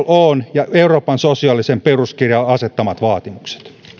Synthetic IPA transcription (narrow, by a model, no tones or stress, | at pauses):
lʔonjɑeuroːpɑnsosiɑˑlisemperuskirjɑɑset̪ːɑmɑt̪ʋɑːt̪imukse̥t̪